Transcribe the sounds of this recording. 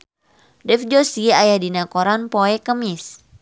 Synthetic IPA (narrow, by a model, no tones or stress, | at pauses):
dɛfd͡ʒosiajadinakoɾanpoɛkəmis